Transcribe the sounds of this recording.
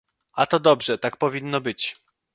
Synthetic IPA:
at̪ɔd̪ɔbʐɛt̪ak̚pɔvʲinːɔbɘt͡ɕ

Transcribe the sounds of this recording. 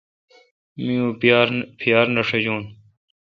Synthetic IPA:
mijũːjaɾpʰijaːɾnɐʂed͡ʑuːn

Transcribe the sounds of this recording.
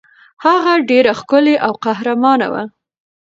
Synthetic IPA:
haɣaɖeɾaxkʊleʔawqaɦɾamɑna̰wa̰

